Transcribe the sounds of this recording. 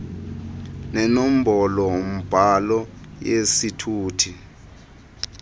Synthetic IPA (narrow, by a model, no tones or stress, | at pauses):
nɛnom̩bɔlɔwom̩b̥ʱalɔjesitʰuːtʰi